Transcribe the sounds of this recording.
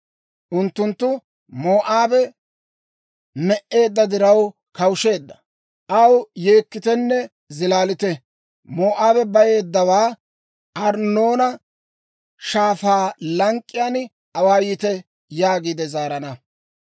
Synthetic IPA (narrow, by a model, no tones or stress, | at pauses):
ʔʊnt̪ːʊnt̪ːʊ | mo̞ːʔaːbɛ | mɛʔːe̞ːd̪ːɐd̪ɪɾɐw | kɐwʃe̞ːd̪ːɐ | ʔɐwje̞ːkːɪt̪ɛnːɛ | zɪlaːlɪt̪ɛ | moːʔaːbɛbɐje̞ːd̪ːɐwaː | ɐɾnːo̞ːnɐ | ʃaːfaːlɐŋkʼːɪjaːn | ɐwaːjɪt̪ɛ | jaːɡiːd̪ɛzaːɾɐnɐ